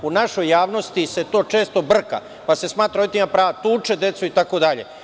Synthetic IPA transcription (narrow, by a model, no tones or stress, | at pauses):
unaʃo̞jːaːʋno̞st̪ise̞t̪o̞ːt͡ʃe̞ːst̪o̞br̩ka̰ | pase̞smaːt̪ɾaoit̪imapɾaːʋat̪uːt͡ʃed̪e̞t̪suit̪akod̪aʎe̞̰